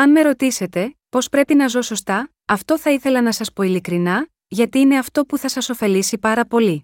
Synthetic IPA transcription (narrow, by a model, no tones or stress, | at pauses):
ɐnme̞ɾo̞t̪ise̞t̪e̞po̞spɾe̞pinɐzo̞so̞st̪ɐ | ɐft̪o̞θɐiθe̞lɐnɐsɐspo̞ilikɾinɐ | ʝɐt̪iine̞ɐft̪o̞puθɐsɐso̞fe̞lisipɐɾɐpo̞li